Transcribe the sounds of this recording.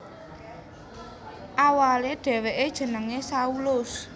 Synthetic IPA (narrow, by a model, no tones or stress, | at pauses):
ʔawaleɖ̥ɛ̤weʔed̥ʒ̥ə̤nəŋesaulʊs